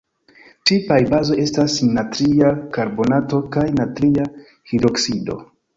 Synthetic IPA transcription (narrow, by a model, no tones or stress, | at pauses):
t͡ʃipajbazo̞je̞stasnatɾiakaɾbo̞nato̞kajnatɾia | hiɾo̞ksido̞̰